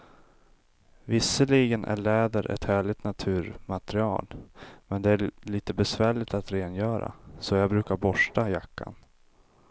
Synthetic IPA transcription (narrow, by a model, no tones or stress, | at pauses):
vɪsːəliːɡənʔæ̰ɭɛːd̪əɾʔɛ̰t̪hæːɭɪt̪nat̪ʰʉ̟ːɾmat̪ɾɪɑ̰ːlmɛnd̪ɛæɭiːt̪əbɛsvæːɭɪt̪at̪ɾeːnjœːɾa̰sɔjɑːɡbɾʉ̟ːkaɾbɔʂʈajakːa̰n